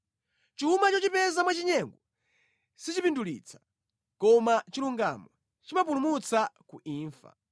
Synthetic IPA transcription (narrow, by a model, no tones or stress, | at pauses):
t͡ʃuumat͡ʃɔt͡ʃipɛzamwat͡ʃiɲɛŋɡɔ | sit͡ʃipindulḭːt͡sʰḁ | kɔmat͡ʃiluŋɡa̰mɔ | t͡ʃimap̬ulumut͡sakuʔiːɱfa̰